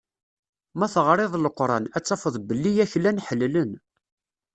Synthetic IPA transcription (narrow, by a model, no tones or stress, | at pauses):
mæθəʁɾˤeðˤləqːɾˤɑnæt͡sːɑfəðˤbəlːijæçlænħəlːlən